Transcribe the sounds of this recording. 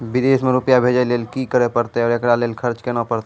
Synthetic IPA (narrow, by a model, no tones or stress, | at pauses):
bɪd̪eːsmẽɾʊpjabʱeːd͡ʒeleːlkikəɾepəɾt̪eɔːɾekɾaleːlkʰəɾt͡ʃkenapəɾt̪e